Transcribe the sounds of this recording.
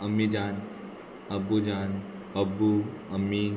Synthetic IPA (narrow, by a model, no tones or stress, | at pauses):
əmid͡ʒaːn | ɐbud͡ʒaːn | ɐbuɐmːi